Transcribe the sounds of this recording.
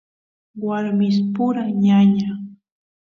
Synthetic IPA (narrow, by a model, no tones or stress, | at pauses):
waɾmɪs̬pʊɾaɲaɲa